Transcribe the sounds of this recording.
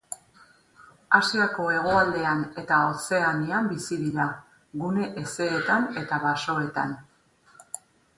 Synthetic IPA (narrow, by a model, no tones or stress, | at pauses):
asiako̞e̞ɣ̞o̞ald̪e̞ane̞t̪ao̞se̞aniambisiðiɾa | ɣune̞ʔese̞ːt̪ane̞t̪aβaso̞e̞t̪a̰n